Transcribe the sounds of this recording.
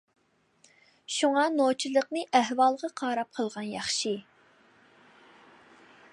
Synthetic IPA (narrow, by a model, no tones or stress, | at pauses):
ʃuŋɑnot͡ʃʰilˠəqnɨʔæhwɑlˠʁɑqʰɑːɾɑp̚qʰəlˠʁɑnjɑχʃi